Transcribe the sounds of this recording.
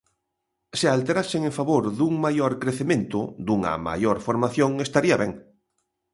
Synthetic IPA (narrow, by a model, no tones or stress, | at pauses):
sɪalt̪eɾasɪŋeɱfaβoɾðuŋmajoɾkɾeθemẽnt̪ʊd̪uŋɐ̰ma̰joɾfoɾmaθjoŋest̪aɾiɐβɛŋ